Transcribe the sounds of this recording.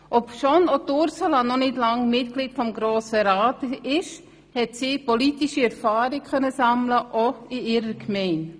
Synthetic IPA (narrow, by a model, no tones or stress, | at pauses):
ʔɔpʃɔnɔtʊɾsəlɑnɔnɪdlɑŋmɪtklitfɔmɡɾoːsəɾaːtɪʃ | hɛtsiːpɔlitiʃiɛɾfɑːɾɪkχœnəsɑmləʔɔɪɪɾəɾkmɛɪn